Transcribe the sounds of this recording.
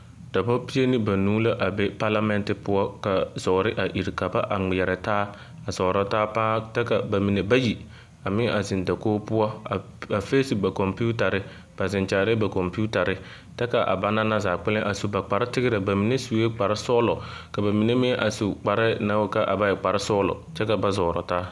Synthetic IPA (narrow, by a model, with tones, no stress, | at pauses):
da˨ba˦pi˦e˦nɪ˦ba˨nuː˦la˦ʔa˨bɛ˦pa˦la˦mɛ˦ntɪ˨pʊ˦ɔ˦ka˨zɔ˨ɾɪ˦ʔa˨ʔi˨ɾka˨ba˦ʔa˨ŋ͡mɪ˨jɛ˨ɾɛ˨taː˦ | a˨zɔ˨ɾa˦taː˦pã˦tɛ˦ka˨ba˨mi˨ne˨ba˦ji˨ | a˨mɪ̃˦a˨zɪ˨nda˨koː˦pʊ˦ɔ˦˨ | a˨fe˦sɪ˨ba˨kɔ˨mpu˦ta˨ɾɪ˦ | b̥a˨zɪ̃˨nt͡ʃa˨ɾɪ˦ba˨kɔ˨mpu˦ta˨ɾɪ˦ | tɛ˦ka˨ʔa̰˨ba˦na˦na˦zaː˨k͡pɪ˦lɪ̃˦ʔa˨su˨ba˨k͡pa˨ɾɪ˦tɪ˦ɡɪ˦ɾɪ˨ba˨mi˨ne˦su˨e˦k͡pa˨ɾɪ˦sɔː˦lɔ˨ka˨ba˨mi˨ne˦mɪ̃˦ʔa˨su˨k͡pa˨ɾɪ˦na˦wka˨ʔa̰˨ba˦jɛ˨k͡pa˨ɾɪ˦sɔː˦lɔ̰˨t͡ʃɛ˦ka˨ba˦zɔː˨ɾɔ̰˨taː˦